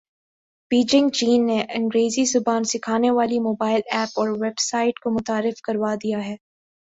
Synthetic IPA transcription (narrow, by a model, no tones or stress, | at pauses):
b̥iːd͡ʒɪ̃ŋɡt͡ʃiːnːeʔɐ̃ŋɡɾeːzizʊbaːnsɪkʰaːneʋaːlimoːbaːɪlɛːpɔːɾʋɛbsaːɪʈkomʊt̪aːɾɪfkɐɾʋad̪ijaɦɛː